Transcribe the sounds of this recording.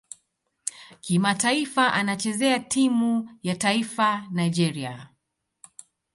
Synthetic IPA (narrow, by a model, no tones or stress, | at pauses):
kimataifaʔanat͡ʃɛzɛatʰimujataifanaid͡ʒɛɾia̰